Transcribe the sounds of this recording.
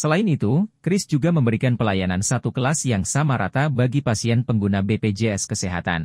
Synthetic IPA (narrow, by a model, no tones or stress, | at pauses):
səlaɪnit̪ukɾɪsd͡ʒuɡaməmbəɾikanpəlajanansat̪ukəlasjaŋsamaɾa̰t̪abaɡipasiɛnpəŋɡunabeped͡ʒeɛskəseɦa̰t̪a̰n